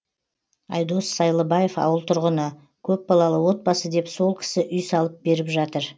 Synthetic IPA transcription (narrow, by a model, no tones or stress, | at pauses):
ɑ̰jd̪o̞sːɑjlˠəbɑje̞fɑ̰wəlˠt̪ʰʊɾʁənə | kʲʰɵp̚bɑlˠɑlˠəwo̞t̪̚bɑsəd̪e̞pso̞lˠkʲʰɪ̥sɪʔʏjsɑlˠəp̚be̞ɾɪpʒɑt̪əɾ